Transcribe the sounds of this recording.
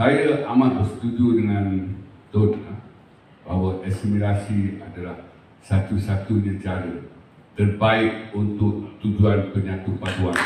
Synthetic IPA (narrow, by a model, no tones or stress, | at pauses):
sajaʔamãt̪asət̪ud͡ʒiudəŋãnt̪ɔtla | baɦwaʔɛsimĩɾasiadalah | sat̪usat̪unə̃t͡ʃaɾə | t̪ərbaɪk̚unt̪ʊk̚t̪ud͡ʒuanpəɲãt̪upaduan